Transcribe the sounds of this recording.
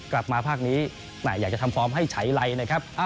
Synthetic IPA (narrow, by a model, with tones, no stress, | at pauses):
kla˨˩p̚maː˧pʰaː˥˩k̚niː˦˥ | naː˨˩jaː˨˩k̚t͡ɕa˨˩t̪ʰa˧mpʰɾɔː˦˥mɦa˥˩jt͡ɕʰa˦˥jɾa˧jna˧˩kʰa˦˥p̚ʔa˧˩